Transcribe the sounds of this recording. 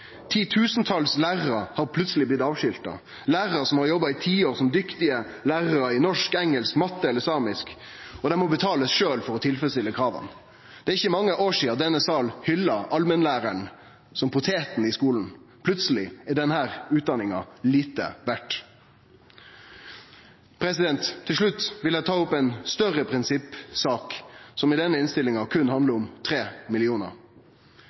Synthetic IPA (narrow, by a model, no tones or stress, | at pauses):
t̪ʰiːt̪ʰʉːsnt̪ʰɑlslæːʁɑɑhɑɾpʰlʉt̪səlɪblɪt̪ɑːʋʃʏlt̪ɑ̰ | læːʁɑsɔmhɑɾjɔbɑɪt̪ʰiːoːɾsɔmd̪ʏkt̪ɪə | læːɾɾəɪnɔʂkɛŋɛlskmɑt̪ːəɛləɾsɑːmɪsk | ɔd̪ɛmɔbət̪ʰɑːləsʃøːlfɔɾɔt̪ʰɪlfəst̪ɪlːəkʰɾɑːʋə̰n | d̪̥ɛæɾɪçːəmɑŋːəʔoːʂiːɑd̪ɛnəsɑlhʏlːɑʔɑlmənlæːɾæɳ | sɔmpʰʊt̪ʰeːt̪n̩ɪskuːln̩pʰlʉt̪səlɪæɖɛnhæːɾʉːt̪̚d̪ɑnɪŋɑliːt̪ə̰ʋæʈ | pʰɾɛsɪd̪ɛnt̪ʰːɪlʂɭʉt̪ːʋɪlæɪt̪ʰɑːʊpːɛnst̪œɾəpʰɾɪnsɪpːsɑːksɔmɪd̪ɛnːəɪnst̪ɪlɪŋɑkʰʉnːhɑnd̪ləɾʊmt̪ʰɾeːmɪlɪuːnə̰ɾ